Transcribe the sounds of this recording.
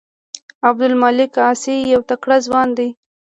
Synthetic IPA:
abd̪ʊlmalɪkɑsijawt̪akɽazwɑnd̪aj

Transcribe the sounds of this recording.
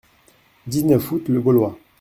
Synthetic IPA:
dinɛfutleɡolwa

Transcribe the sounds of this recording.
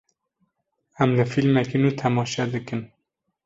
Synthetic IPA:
æmlɨfilmɛkinuːt̪ʰɛmɑːʃɛd̪ɨkɨn

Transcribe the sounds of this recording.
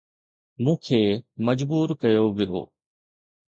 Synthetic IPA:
mũːkʰeːmɐd͡ʑbuːɾkɐjoʋɪjo̰ː

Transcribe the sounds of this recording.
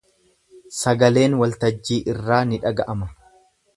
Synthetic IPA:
sɐɡɐle̞ːnwɐlt̪ɐd͡ʒːiːʔɪrːaːnɪᶑɐɡɐʔɐmɐ

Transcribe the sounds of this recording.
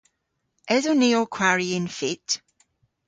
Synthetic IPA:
ɛzoniɔkʰw̥aɹiɪnfɪt

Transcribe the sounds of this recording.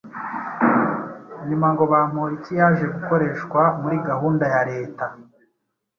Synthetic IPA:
ɲumaŋɡo̞βaːm̥oːɾitijaːʒe̞ɡuko̞ɾe̞ːʃkwamuɾiɡahuːndajaɾe̞ːta

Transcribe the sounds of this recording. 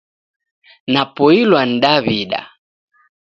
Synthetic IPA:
napɔilwan̩ɗaβiɗa̰

